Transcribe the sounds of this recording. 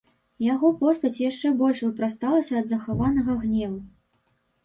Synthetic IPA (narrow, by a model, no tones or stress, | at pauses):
jaɣɔpɔst̪ɐt͡sʲjaʂt͡ʂɛbɔlʲʂvɨpɾast̪alˠɐsʲɐːd̪zɐxavanɐɣɐɣnʲɛvu